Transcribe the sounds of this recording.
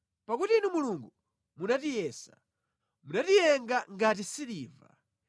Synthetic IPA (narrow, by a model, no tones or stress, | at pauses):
pakutiːnumuluŋɡu | munatijɛːsa | munatijɛŋɡaŋɡat̬isiliːva̰